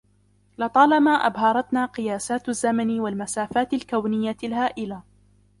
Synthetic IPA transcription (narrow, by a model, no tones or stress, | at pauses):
lɑt̪ˤɑːlɑmaːʔa̰bhɑɾˤɑt̪naːqɨjaːsaːt̪zːamanɪwalmasaːfaːt̪ɪlkawnɪjːalɦaːʔɪla